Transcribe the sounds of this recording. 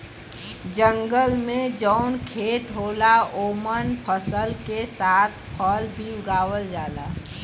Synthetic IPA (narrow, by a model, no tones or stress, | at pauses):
d͡ʒə̃ŋɡəlmẽd͡ʒəʊnkʰeːt̪ɦoːlaoːmənpʰəsəlkesaːt̪ʰpʰɔlbʱiʊɡaːwəld͡ʒaːlaː